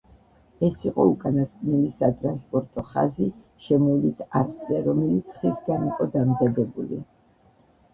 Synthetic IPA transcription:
ɛsiqʼɔukʼanaskʼnɛlisat̪ʼɾanspʼɔɾt̪ʼɔχa̰zi | ʃɛmɔlit̪ʰaɾkzɛɾɔmɛlit̪sʰχisɡaniqʼɔd̪amzad̪ɛbulḭ

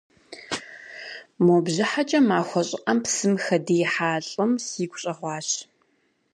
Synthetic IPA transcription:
moːbʑɪħat͡ʃʼɐmaːxʷɔɕʼɪqʼɐmpsɨmxɐdijħaːɬʼɨmsiːɡʷɕʼɐʁʷɑːɕ

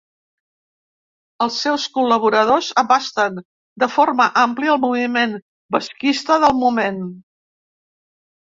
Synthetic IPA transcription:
əlˠsːɛwskuləβ̞uɾəð̞ozəβast̪ən | d̪əforməʔampliəlˠmuβimen | bəskist̪əðəlˠmumen

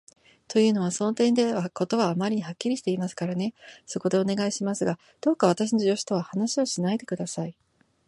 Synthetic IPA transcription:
t̪o̞jɯ̟ːno̞β̞aso̞no̞t̪ẽ̞nd̪e̞βako̞t̪o̞βaːmaɾʲiɲ̟ihakʲːiɾʲiɕi̥t̪e̞imasɨ̥kaɾane̞so̞ko̞d̪e̞o̞ne̞ɡaiɕimasɨɡa | d̪̥o̞ːkaβ̞at̪aɕ̬ino̞ʑo̞ɕi̥t̪o̞βahanaɕio̞ɕinaid̪e̞kɯ̟d̪asai

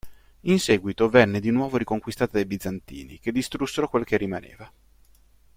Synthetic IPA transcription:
insɛːɡwit̪ovɛnːed̪inwɔːvoɾikoŋkwist̪aːt̪ad̪ajbid̪zant̪ḭːnḭk̟ed̪ːist̪ɾusːeɾokwelk̟erːimanḛːva

